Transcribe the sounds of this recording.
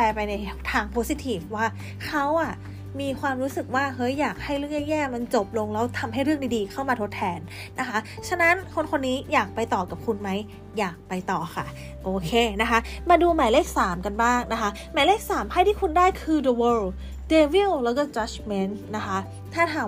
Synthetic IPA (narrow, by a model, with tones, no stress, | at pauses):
pɛː˧pa˧jna˧jt̪ʰaː˧ŋpʰoː˦˥si˧˥t̪ʰiː˨˩fwaː˥˩ | kʰa˦˥wʔa˨˩ | miː˧kʰwaː˧mɾuː˦˥sɯ˨˩k̚waː˥˩hɤ˦˥jːaː˨˩k̚ha˥˩jɾɯ˥˩əŋɲɛː˥˩ŋjɛː˥˩ma˧nt͡ɕo˨˩p̚lo˧ŋlɛː˦˥wt̪ʰa˧mɦa˥˩jɾɯ˥˩ŋdi˧˩diː˧kʰa˥˩wmaː˧t̪ʰo˦˥t̪ʰːɛː˧nː | a˦˥kʰa˦˥t͡ɕʰa˧na˦˥nkʰo˧nkʰo˧nːiː˦˥jaː˨˩k̚pa˧jt̪ɔː˨˩ka˨˩p̚kʰu˧nma˦˥j | jaː˨˩k̚pa˧jt̪ɔː˨˩xʰa˥˩ | ʔoː˨˧kʰeː˧na˦˥kʰa˦˥maː˧duː˧maː˨˦jleː˥˩k̚saː˩˦mka˧nbaː˥˩ŋna˦˥kʰa˦˥ | maː˨˦leː˥˩k̚saː˩˦mha˥˩jt̪ʰiː˥˩kʰu˧ndaː˥˩jkʰɯː˧də˧wɤː˧l | deː˧wi˥˩wlɛː˦˥wkɔː˥˩t͡ɕa˦˥t͡ɕme˦˧˥nna˦˥kʰa˦˥ | t̪ʰaː˥˩t̪ʰaː˨˩˦